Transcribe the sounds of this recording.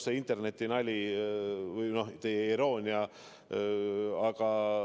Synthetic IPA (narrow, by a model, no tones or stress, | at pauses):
seint̪ˑerne̞t̪ːˑinɑlʲi | vɯjno̞ht̪e̞jeiɾo̞ːnʲiɑ | ɑɡ̥ɑ